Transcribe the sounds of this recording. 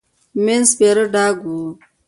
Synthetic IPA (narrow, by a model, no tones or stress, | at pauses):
menspeɾəɖaːɡu